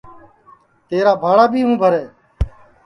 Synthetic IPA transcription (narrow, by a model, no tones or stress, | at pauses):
t̪eːɾaːbʱaːɽaːbʱiːɦũːbʱəɾeː